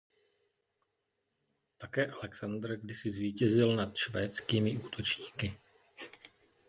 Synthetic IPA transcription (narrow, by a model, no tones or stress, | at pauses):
t̪akɛːʔalɛksand̪ɾɡdɪsɪzviːcɛzɪlnat̪ʃvɛːt͡skiːmɪʔuːt̪ʰo̞t͡ʃɲiːkɪ